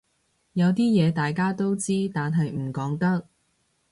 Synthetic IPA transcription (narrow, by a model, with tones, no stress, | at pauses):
jɐ˨˧wt̪iː˥jɛː˨˧t̪aː˨jkaː˥t̪o˥wt͡siː˥t̪aː˨nɦɐ˨jm̩˨˩kɔː˨˥ŋt̪ɐ˥k̚